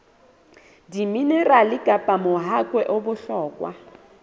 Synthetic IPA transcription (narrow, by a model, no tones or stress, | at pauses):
dimineralɪkʼapʼamʊɦakʼwɛʔʊbʊɬɔːkʼwa̰